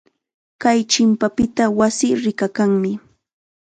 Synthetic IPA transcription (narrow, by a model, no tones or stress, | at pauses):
kajt͡ʃɪmpapɪt̪awasiːɾɪkakaŋmɪ